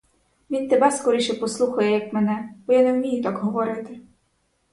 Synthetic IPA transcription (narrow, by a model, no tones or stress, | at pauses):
ʋʲint̪ɛbaskɔɾɪʃɛpɔslˠuxɐjɛjakmɛnɛbɔjanɛwmʲijɛt̪aɡɦɔʋɔɾɪt̪ɪ